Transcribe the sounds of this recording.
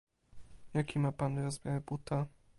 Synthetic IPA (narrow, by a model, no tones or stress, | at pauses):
jakʲimapanɾɔzmʲjavɛbut̪a